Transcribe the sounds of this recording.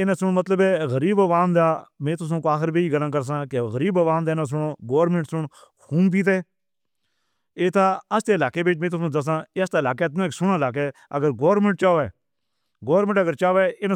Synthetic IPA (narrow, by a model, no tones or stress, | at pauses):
ɪnãːsʊɳmət̪ləbɛːɣəɾiːbʋaːnd̪aːmẽːt̪ʊs̬õːkoaːxəɾbiːiːɡəlãːkəɾs̬ãːkeɣəɾiːbaʋaːnd̪aːnãːs̬ʊɳoːɡoːɾmẽːʈsʊɳ | kʰuːnp̪̬iːt̪̬eː | eːt̪aːəst̪eːɪlaːkeːbeːʈmẽːt̪ʊsõːd̪əs̬ãːeːəst̪aːɪlaːkeːt̪nãːkːsʊɳaːlaːk̬ɛːə̰ɡəɾɡoːɾmẽɳʈ̚t͡ʃaːʋɛː | ɡoːɾmẽːɳʈəɡəɾt͡ʃaːʋɛːɪnː